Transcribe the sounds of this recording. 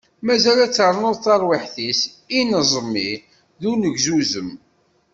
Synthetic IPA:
mæzælæt͡sːəɾˤnoðˤθɑɾˤwiħθis | inəzˤmːi | ðunəʝzuzəm

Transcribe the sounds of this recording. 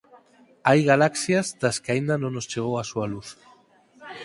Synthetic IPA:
ajɣalaksjazd̪askeaind̪anõnost͡ʃeɣ̞owasualuθ

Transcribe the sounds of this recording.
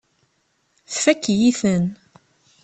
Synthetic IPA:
θfækːjiθən

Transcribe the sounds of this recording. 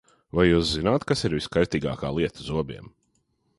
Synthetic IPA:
vajːuːszinaːt̪kasiɾviskaj̪t̪iːɡa̰ːka̰ːlˠiɛt̪əzuɔbʲiɛm

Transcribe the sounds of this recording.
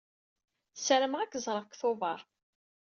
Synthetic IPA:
səɾəmʁækːəzˤɾˤəkθovɑɾˤ

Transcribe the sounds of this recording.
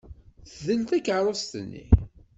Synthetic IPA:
θðəlt̪ækəɾˤost̪nːḭ

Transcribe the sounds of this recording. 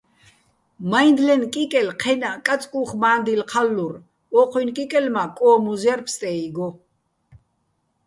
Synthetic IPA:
majnd̪lɛnkʼikʼɛlqʰɛnakʼat͡sʼkʼuχmaːnd̪ilqʰalːuɾ | ɔqʰʼwinkʼikʼɛlmakʼɔːmuzaɾpʰst̪ʼɛiɡɔ

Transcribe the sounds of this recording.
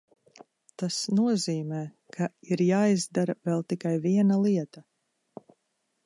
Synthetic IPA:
t̪asnuɔziːmɛː | kʰaiɾjaːjzd̪aɾavɛlˠt̪ikajviɛnalˠiɛt̪a

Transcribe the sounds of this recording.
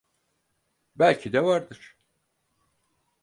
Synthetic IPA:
bælʲcʰid̪ɛvaɾd̪ɯɾ̥

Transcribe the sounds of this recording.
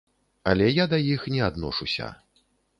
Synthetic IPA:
ɐ̰lʲɛjad̪ɐjixnʲɛad̪nɔ̰ʂusʲɐ̰

